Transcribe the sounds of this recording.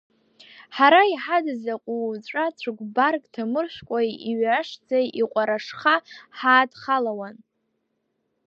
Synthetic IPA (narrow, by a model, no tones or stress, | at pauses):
ħaɾaiħadazaqʷʼut͡ɕʷʼat͡ɕʷʰaɡʷbarkʼtʰamɨrʃʷᶣkʷʼajiɥaʂd͡zajiqʷʼaɾaʂχaħaːdχalawan